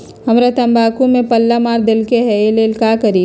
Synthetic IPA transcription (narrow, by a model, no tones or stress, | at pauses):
ɦɐmɾat̪ɐ̃mbaːkũmẽpɐlːamaːɾd̪ɪlkeɦɛelelkaːkəɾiː